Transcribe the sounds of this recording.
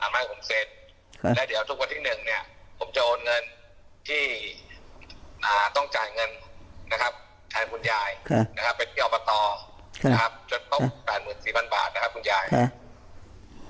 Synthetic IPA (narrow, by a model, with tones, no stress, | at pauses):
ʔaː˨˩mnaː˧˥˩pʰo˩˦mse˦˥t̪̚ʰ | lɛː˦˥wdi˩˦əwt̪ʰu˦˥k̚wa˧nt̪ʰiː˥˩nɯ˨˩ŋni˥˩ɐpʰo˩˦mt͡ɕa˨˩ʔoː˧nŋɤ˧n | t̪ʰiː˥˩ | ʔaː˨˩t̪ɔ˥˩ŋt͡ɕaː˨˩jŋɤ˧nːa˦˥kʰa˦˥p̚ | t̪ʰɛː˨˧˩nkʰu˧njaː˧jʰna˦˥kʰa˦˥pːe˧nt̪ʰiː˥˩ʔɔː˨˩pa˧t̪ɔː˧˦˧ | kʰa˦˥p̚t͡ɕo˨˩˦n̚kʰo˦˥pɛː˨˩t̪̚mɯː˨˩nsiː˨˩pʰa˧nba̰ː˨˩t̪̚na˦˥kʰa˦˥p̚ku˧njaː˧j